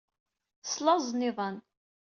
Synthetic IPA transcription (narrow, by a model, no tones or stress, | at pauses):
slɑzˤnɪðˤən